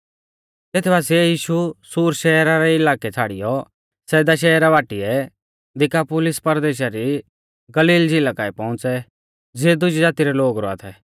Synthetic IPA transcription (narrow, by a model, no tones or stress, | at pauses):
t̪et̪ʰɛbaːs̬iɛjiːʃusuːɾʃɛːɾaɾɛɪlaːkɛt͡sʰaːɽɪ̰jɔ | sɛːd̪aʃ̬ɛːɾaʋaːʈiɛ | d̪ɪkapʊːlɪspɐɾd̪eːʃ̬aɾi | ɡɐliːld͡ʒɪlakaːipɔ̃ʊ̃t͡sɛ | d͡zeːd̪ʊd͡ʒid͡zaːt̪iɾɛloːɡɾɔa̰t̪ʰɛ